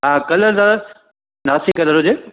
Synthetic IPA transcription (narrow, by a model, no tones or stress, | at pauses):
ɦãːkɐləɾzãː | naːsikɐləɾɦʊd͡ʑeː